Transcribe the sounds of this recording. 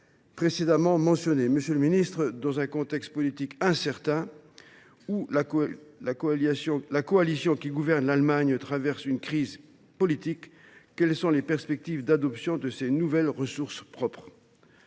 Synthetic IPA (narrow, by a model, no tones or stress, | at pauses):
pχesed̪amɑ̃mɑ̃sjɔneməsjøləminist̪χəd̪ɑ̃zɛ̃kɔ̃t̪ɛkst̪̚pɔlit̪ikɛ̃sɛʁt̪ɛ̃ | ulalakɔsjɔ̃lakɔalisjɔ̃kʲiɡuvɛʁnlalmaɲt̪χavɛʁsynkχiz | pɔlit̪ikː | ɛlsɔ̃lepɛʁspɛk̚t̪ivd̪ad̪ɔpsjɔ̃d̪əsenuvɛlʁəsuʁspχɔpχ